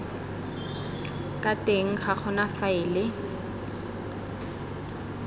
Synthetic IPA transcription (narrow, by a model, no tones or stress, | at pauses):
kʼateŋ̩χaχʊnafaɪːlɪ